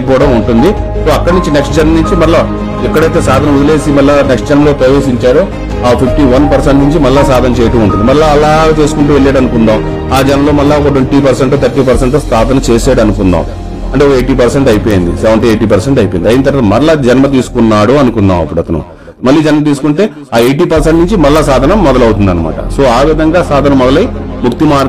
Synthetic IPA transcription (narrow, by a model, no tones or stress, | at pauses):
pɔːɐɽɐmuɳʈund̪i | so̞ːɐkːɐɽɐnuɲt͡ʃineksʈ̚d͡ʒɐnmɐnuɲt͡ʃimɐɾla | ɛkːɐɽɐjt̪e̞ːsaːd̪ʱɐnɐud̪ɐle̞ːsimɐllaneksʈ̚d͡ʒɐnɐmɐlo̞ːpɾɐjeːs̬iɲt͡ʃaːɽo | aːpʰipʈiːʋɐnpɐɾseɳʈnuɲt͡ʃimɐlːaːsaːd̪ʱɐnɐt͡ʃɛːjɐʈɐmuɳʈund̪imɐɾlaːɐlaːɡaːt͡ʃeːsu̥kuɳʈuːʋeɭːeːɽɐnukund̪aːm | aːd͡ʒɐnɐmlo̞ːmɐlːaɔkɐʈ̬unʈiːp̬ɐɾseɳʈot̪ʰɐɾʈːiːpɐɾseɳʈost̪ʰaːd̪ʱɐnɐt͡ʃe̞ːseːɽɐnukund̪a̰ːm | ɐɳʈeɔkɐeːjʈiːpɐɾseɳʈɐjpo̞ːjind̪ḭsɛʋɐɳʈ̬ieːʈiːp̬ɐɾseɳʈɐjpojnd̪iɐjnɐt̪̬ɐɾʋaːt̪ɐmɐɾlɐd͡ʒɐnɐmɐt̪̬iːsu̥kunːaːɽuɐnukund̪a̰ːmɐpːuɽɐt̪ɐnṵ | mɐlːiːd͡ʒɐnmɐt̪̬iːsu̥kuɳʈe̞ː | aːeːʈiːpɐɾseɳʈnuɲt͡ʃimɐlːasaːd̪ʱɐnɐmːɔd̪ɐlɐwut̪und̪ɐnɐma̰ːʈɐ̰so̞ːaːʋid̪ʱɐŋɡaːsaːd̪ʱɐnɐmːɔd̪ɐlɐjmuk̚t̪imaː